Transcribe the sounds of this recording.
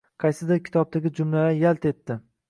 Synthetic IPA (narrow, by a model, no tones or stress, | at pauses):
qʰɑjsɪd̪ɪɾkʲʰɪ̥t̪ʰɒb̚t̪ʰaɡʲɪd͡ʒʊmlalajalt̪e̞t̪ːɪ